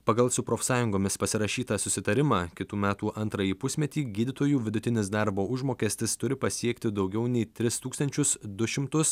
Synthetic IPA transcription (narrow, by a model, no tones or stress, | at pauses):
pɐɡɐlˠsʊpɾoːfsɑːjʊŋɡoːmʲɪspɐsʲɪɾɐʃʲiːt̪ɐsʊsʲɪt̪ɐɾʲɪmɑːkʲɪt̪uːmʲæːt̪uːʔɐnt̪ɾɐjiːpʊsʲmʲɛt̪ʲiːɡʲiːd̪ʲɪt̪oːjuːʋʲɪd̪ʊt̪ʲɪnʲɪsd̪ɑɾboːʊʒmoːkʲɛːsʲt̪ʲɪst̪ʊɾʲɪpɐsʲiɛkt̪ʲɪd̪ɒʊɡʲɛʊnʲɛɪt̪ʲɾʲɪst̪uːkst̪ɐnʲt͡ʃʲʊsd̪ʊʃʲɪmt̪ʊs